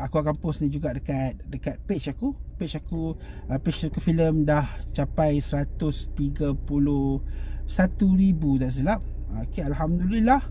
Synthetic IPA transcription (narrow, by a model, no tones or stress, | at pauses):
akuakampʊsnĩd͡ʒuɡaʔdəkat̪̚dəkat̪̚peʔt͡ʃakupet͡ʃakuəpet͡ʃakufiləmdaht͡ʃapajsəɾat̪ʊst̪iɡəpulʊhsat̪uɾibud̪aʔs̬əlap̚ | kealɦamd̪ulilah